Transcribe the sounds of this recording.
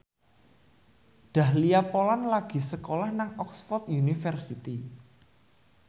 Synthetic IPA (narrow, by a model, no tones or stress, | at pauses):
ɖ̥a̤hliapolanlaɡ̥i̤səkolahnaŋɔksfɔrt̪junifərsit̪i